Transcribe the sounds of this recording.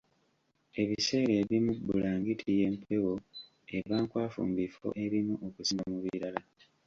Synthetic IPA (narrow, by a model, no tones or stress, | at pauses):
e̞βise̞ːɾeːβimubːulaːŋɡitʰije̞ːmpʰe̞wo̞ | e̞βaːŋkwaːfṵːmbifo̰ʔe̞βimuʔokusiŋɡamuβḭɾala